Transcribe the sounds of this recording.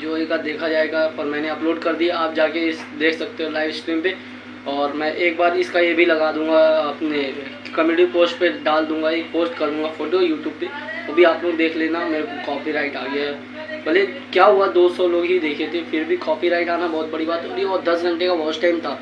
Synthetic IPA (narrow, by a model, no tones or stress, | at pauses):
d͡ʒoːeɡad̪eːkʰad͡ʒaːeːɡaɔɾmɛ̃ːneɐploːɖkɐɾd̪ijaaːp̚d͡ʒaːkeɪs | d̪eːkʰsɐk̚t̪eɦɛ̃laːɪʋskɾiːmpe | ɔːɾmɛ̃ʔeːk̚baːɾɪskajebʱilɐɡaːd̪ũːŋɡaɐpne | kɐmjuːʈipoːsʈpeɖaːld̪ũːŋɡaeːk̚poːsʈkɐɾd̪ũːŋɡafoːʈojuːʈjuːb̚pːeɐbʱiaːplod̪eːkʰleːnameːɾekokɔːpiɾaːɪʈaːɡɐjaɦɛ | bɐle | kjaːɦʊad̪oːsɔloːɡɦid̪eːkʰet̪ʰeẽfɪɾbʱikɔːpiɾaːɪʈaːnabɔɦʊt̪̚bɐɽibaːt̪ɦɛɔːɾjebɔːt̪̚d̪ɐsɡʱɐ̃ɳʈekaʋɔːsʈaːɪmt̪ʰaː